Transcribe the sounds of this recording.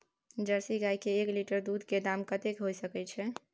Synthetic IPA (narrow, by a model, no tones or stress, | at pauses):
d͡ʒəɾsiɡajkeːkliʈəɾd̪ud̪ʱked̪amkət̪ekɦojsəkɛt͡ʃʰɛ